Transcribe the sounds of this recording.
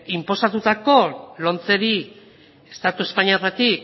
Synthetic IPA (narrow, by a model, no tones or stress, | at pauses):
impo̞sat̪ut̪ako̞lo̞nt͡se̞ɾi | est̪at̪ue̞spaɲiarat̪i